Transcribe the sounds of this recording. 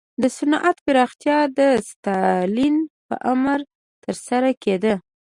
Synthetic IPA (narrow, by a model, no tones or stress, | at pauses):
d̪əsʊnʔat̪pɪɾɑxt̪jɑd̪əst̪ɑlinpə̰ʔamɾ | t̪əɾsaɾaked̪ə